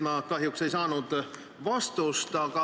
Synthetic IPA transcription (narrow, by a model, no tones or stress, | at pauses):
mɑkɑɦjukse̞jsɑːnud̪̥ | vɑst̪uost̪ɑɡ̥ɑ